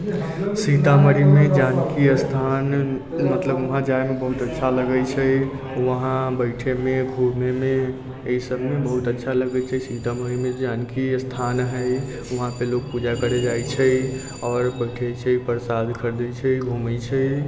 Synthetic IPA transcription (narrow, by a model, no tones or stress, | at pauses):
siʈaməɾimed͡ʒankiəst̪ʰan | mət̪ləbuɦãd͡ʒajmebəɦut̪ətːʃʰaləɡət͡ʃʰə | ʋəɦãbəɪʈʰemẽɡʱuɾmeme | əisəbmebəɦut̪ətːʃʰaləɡət͡ʃʰɛsiʈaməɾimed͡ʒankiəst̪ʰanɦəj | uɦãpelok̚pud͡ʒakəɾed͡ʒajt͡ʃʰə | ɔːɾbəʈʰət͡ʃʰəipəɾsad̪kʰəɾd̪ɛt͡ʃʰɛɡʱumət͡ʃʰɛ